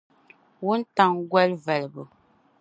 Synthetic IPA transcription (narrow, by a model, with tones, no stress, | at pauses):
wu˦n̩˦ta˨ŋ˦ɡwɛ˦lvɛ˨lbə˨